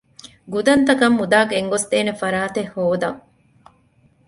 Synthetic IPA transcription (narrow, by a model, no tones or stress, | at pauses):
ɡud̪ɐnt̪ɐkɐmːud̪aːɡeŋɡost̪eːnefɐɾaːt̪ehːoːd̪ɐŋ